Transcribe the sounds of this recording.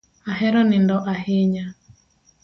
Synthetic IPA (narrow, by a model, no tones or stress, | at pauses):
aɦɛɾɔnɪndɔʔahɪɲa